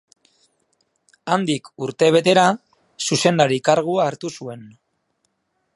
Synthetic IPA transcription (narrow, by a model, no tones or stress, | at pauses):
and̪ikuɾt̪e̞β̞e̞t̪e̞ɾa | suse̞nd̪aɾikaɾɣ̞uaːɾt̪usue̞n